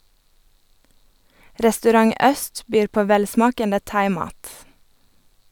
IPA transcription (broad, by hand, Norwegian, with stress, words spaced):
ɾɛstʉˈɾɑŋ ˈœst ˈbyːɾ ˈpoː ˈʋɛlˌsmɑːkəndə ˈtɑɪˌmɑːt